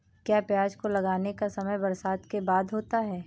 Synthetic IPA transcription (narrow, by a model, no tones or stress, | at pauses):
kjaːpjaːd͡ʒkolɐɡaːnekasɐməjbɐɾsaːd̪kebaːd̪ɦoːt̪aɦɛː